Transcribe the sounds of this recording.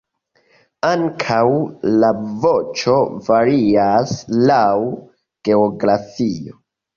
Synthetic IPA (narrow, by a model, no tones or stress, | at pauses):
aŋkʰawlavo̞t͡ʃo̞vaɾiaslaw | ɡ̥e̞oɡɾafio̞